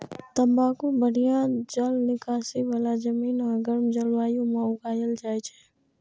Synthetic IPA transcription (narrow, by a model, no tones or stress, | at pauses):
t̪əmbaːkõbəɽijãd͡ʒəlnɪkaːsiʋalad͡ʒəmiːnãːɡəɾmd͡ʒəlʋaːjõmãʊɡaːjəld͡ʒaːjt͡ʃʰɛː